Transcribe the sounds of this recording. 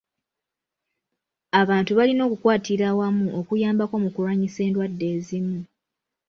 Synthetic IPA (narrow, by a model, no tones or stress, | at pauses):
aβaːntuβalino̞ːkukwaːtiɾawamuʔokujaːmbako̞mukuɾaɲise̞ːndwadːe̞ːzimu